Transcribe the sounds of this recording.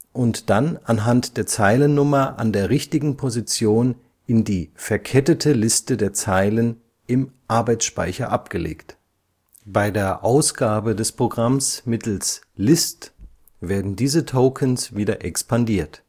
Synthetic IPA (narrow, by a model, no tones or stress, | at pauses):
ʔʊntd̥ananɦantd̥eːɐt͡saɪlənːʊmɐʔa̰ndeːɐʁɪçtɪɡŋ̩pʰozit͡sjoːn | ɪndiːfɛɐkʰɛtətʰəlɪstədeːɐt͡saɪlən | ɪmʔaɐbaɪt͡sʃpa̰ɪçɐ̰ʔap̚ɡ̥əlḛːkt | b̥aɪdeːɐʔaʊsɡ̥aːbədɛspʁ̥oɡʁamsmɪtl̩s | lɪst | v̥eːɐdn̩diːzətʰoʊkʰənsv̥iːdɐʔɛkspandiːɐt